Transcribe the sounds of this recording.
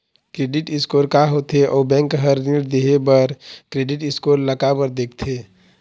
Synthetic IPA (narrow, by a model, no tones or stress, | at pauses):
kɾeːɖɪʈɪskoːɾkaɦot̪eʔɔːbɛ̃ŋkɦəɾniɽd̪eɦebəɾkɾeɖɪʈɪskoːɾləkabəɾd̪eːkʰt̪ʰe